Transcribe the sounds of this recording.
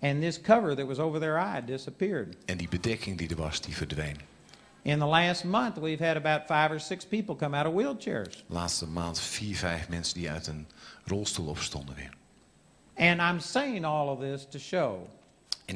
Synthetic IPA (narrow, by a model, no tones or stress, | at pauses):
ɨ̃nðɪskʰʌvə˞ðɨt̚wʌzoʊvə˞ðə˞aɪdɪsəpɪɹdɛ̃ndibədɛkʰɪŋdidəɹʋɑsd̥ivəɹdʋejn | ɪ̃nðəlæst̚mʌ̃nθwiv̥ɨɾɨbaʊtfaɪvə˞sɪkspipl̩ˠkʰʌ̃maʊɾʌvwilˠt͡ʃʰɛ̰ɹz̥laːtstəmaːntfiːɹvɛɪfmɛnsəndiœ̰ɥtənrɔlˠstulˠɔpstɔndənʋɪ̰ɹ | ɨ̃nãɪ̃mseɪɪ̃ŋɔlˠʌvðɪstʰɨʃoʊ